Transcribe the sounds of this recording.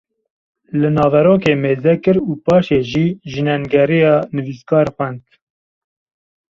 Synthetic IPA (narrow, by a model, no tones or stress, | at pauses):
lɨnɑːvɛɾoːkeːmeːzɛkɨɾuːpɑːʃeːʒiːʒɨnɛnɡɛɾijɑːnɨviskɑːɾxʷwɛnt̪